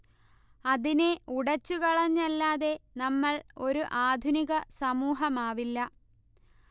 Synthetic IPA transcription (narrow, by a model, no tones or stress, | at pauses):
ɐðineuɽɐt͡ɕːukɐɭɐɲːɐlːaːðe̞nɐmːɐɭo̞ɾuʔaːd̪ʱuniɣɐsɐmuːɦɐmaːʋilːɐ